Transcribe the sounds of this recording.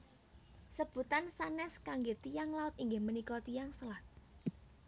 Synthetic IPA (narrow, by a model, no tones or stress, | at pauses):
səb̥ṳt̪ansanɛskaŋɡet̪ijaŋlaʊt̪iŋɡɪhmənikɔt̪ijaŋsəlat̪̚